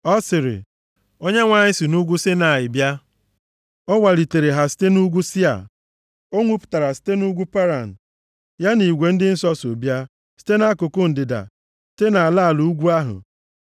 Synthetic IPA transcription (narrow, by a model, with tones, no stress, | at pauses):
ɔ˦sɪ˨ɾɪ̰˨ | o˦ɲe˦ŋʷa˨ɲɪ˦si˨nu˦ɡʷu˦sɪ˦na˨jɪ˨bja˦ | ɔ˦ŋʷa˨li˨te˨ɾe˨ɦa˨si̥˦te˦nu˦ɡʷu˦sɪ˦a̰˨ | o˦ŋʷu˦pʊ̥˨ta˨ɾa˨si̥˦te˦nu˦ɡʷu˦pa˦ɾa˨n̩˨ | ja˦ni˨ɡʷe˨n̩˦dɪ˦n̩˦sɔ˦so˨bja˦ | si̥˦te˦na˦kʊ˨kʊ˦n̩˨dɪ˨da̰˨ | si̥˦te˦na˨a˨la˦˨lu˦ɡʷu˦a˦ɦʊ̰˨